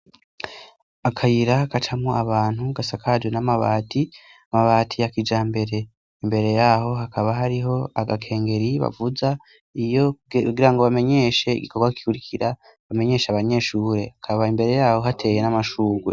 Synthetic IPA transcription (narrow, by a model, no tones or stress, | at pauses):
akʰajiɾakat͡ʃamŋoʔaβaːn̥huɡasakʰaːd͡ʒonamaβaːti | amaβaːtʰijakid͡ʒaːmbe̞ɾe̞ | imbe̞ɾe̞jaːɦo̞ɦakaβaɦaɾiɦo̞aɡakʰe̞ːŋɡe̞ɾiβa̰vuza | ijouɡiɾaŋɡo̞βame̞ɲe̞ʃe̞ḭɡikʰo̞ɡwaki̥ki̥kuɾikʰiɾa | βame̞ɲe̞ːʃaβaɲe̞ːʃuːɾe̞akʰaβaimbe̞ɾe̞jaːho̞ɦatʰe̞je̞namaʃuːɡwe